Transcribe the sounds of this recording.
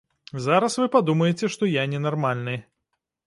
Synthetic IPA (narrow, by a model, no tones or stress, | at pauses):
zaɾɐsvɨpad̪umɐjet͡sʲɛʂt̪ɔjanʲɛnarmalʲnɨ